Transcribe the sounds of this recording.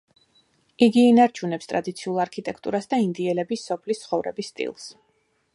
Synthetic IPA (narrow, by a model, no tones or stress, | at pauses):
iɡiːnaɾt͡ʃʰunɛpst̪ʼɾad̪it̪sʰiulˠaɾkʰit̪ʼɛkʰt̪ʼṵɾasd̪aind̪iɛlɛbisːɔpʰlist̪sʰχɔvɾɛ̰bisːt̪ʼḭlˠs